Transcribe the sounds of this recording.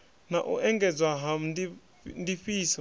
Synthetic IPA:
naʔṵʔɛŋɡɛd͡zwaɦam̩ndi | ndiɸiːsa

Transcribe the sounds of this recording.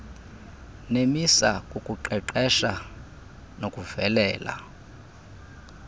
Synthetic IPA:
nemisakʼukʼuǃɛǃɛʃa | nokʼuv̥ɛlɛːla̰

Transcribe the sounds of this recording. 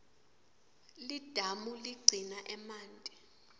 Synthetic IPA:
lid̥ʱamuliɡ͡ǀʱinaʔɛmaːntʼɛ

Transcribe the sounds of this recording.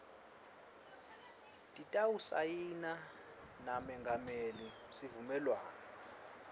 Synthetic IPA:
tʼitʼawusa̰jina | namɛŋɡʱamelisivumɛlwa̰ːna

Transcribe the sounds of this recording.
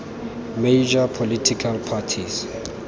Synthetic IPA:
med͡ʒapʰolitʰikʰalpʰatʰis

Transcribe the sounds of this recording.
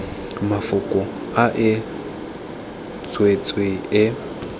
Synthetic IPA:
mafʊkʼʊ | aʔɪ | t͡sʰʼwet͡sʼwɪɪ

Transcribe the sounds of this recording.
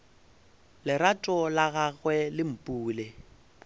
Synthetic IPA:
lɪɾatʼɔlaɣaɣwɛlɪm̩pʼuːle

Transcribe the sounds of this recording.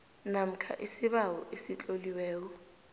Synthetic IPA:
nam̩kʰa̰ʔisɪβawɔʔesit͡ɬʼoliwɛːk̬ɔ

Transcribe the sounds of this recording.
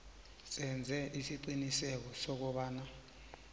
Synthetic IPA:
sɛnd͡zʱɛʔisiǀinisɛk̬ɔsɔk̬ɔɓaːna

